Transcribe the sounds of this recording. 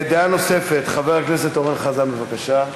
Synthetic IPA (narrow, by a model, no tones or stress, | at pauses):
ed̪eano̞se̞fe̞t̪χave̞ʁakne̞set̪o̞ʁenχazanbevakaʃa